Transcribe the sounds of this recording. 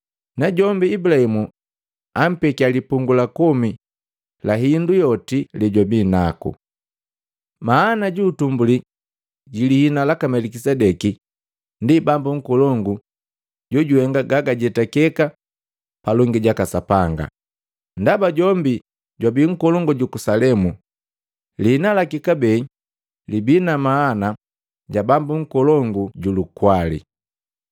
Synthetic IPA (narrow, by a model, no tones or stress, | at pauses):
naɟɔmbiːbulahimu | am̩pɛkialipuŋɡulakɔmi | laɦindujɔtilɛɟwabinakṵ | maːnaɟuːtumbuli | ɟilihinalakamɛlikisɛdɛki | ndibambuŋ̩kɔlɔŋɡu | ɟɔɟuhɛŋɡaɡaɡaɟɛtakɛka | palɔŋɡiɟakasapaŋɡa̰ | ndabaɟɔmbi | ɟwabiːŋ̩kɔlɔŋɡɔɟukusalɛmu | lihinalakikabɛ | libinamaːna | ɟabambuŋ̩kɔlɔŋɡuɟulukwalḭ